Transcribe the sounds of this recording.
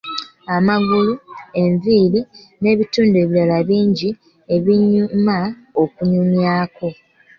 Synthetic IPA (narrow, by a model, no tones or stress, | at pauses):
amaɡulue̞ɱviːɾi | ne̞ːβituːndue̞ːβiɾalaβiːɲɟi | e̞βiɲːuma | okuɲuɲjaːko̞